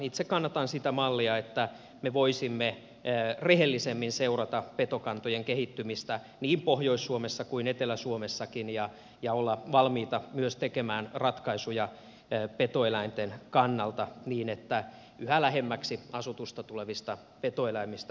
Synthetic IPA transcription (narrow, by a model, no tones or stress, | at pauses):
it̪sekkɑnːɑt̪ɑnsit̪æmɑlːiɑet̪ːæ | meʋoisimːe | rehelːisemːinseurɑt̪ɑpet̪okɑnt̪ojeŋkehit̪ːymist̪æ | niːmpohjoisːuomesːɑkuinet̪elæsuomesːɑkinjɑ | jɑolːɑʋɑlmiːt̪ɑmyøst̪ekemæːnrɑt̪kɑisujɑ | pet̪oelæint̪enkɑnːɑlt̪ɑniːnet̪ːæ | yhælæɦemːæksiɑsut̪ust̪ɑt̪uleʋist̪ɑ | pet̪oelæimist̪